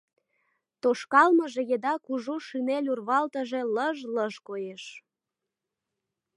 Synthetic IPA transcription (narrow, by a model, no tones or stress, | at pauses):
t̪oʃkɑlməʒejed̪ɑkuʒuʃynelʲurβɑlt̪əʒe̽ləʒləʒkojeʃ